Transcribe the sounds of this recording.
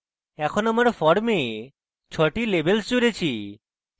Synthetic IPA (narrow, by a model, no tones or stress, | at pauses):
ɛkʰonamaɾfɔɽme | t͡ɕʰɔʈilebelst͡ɕoɾet͡ɕʰi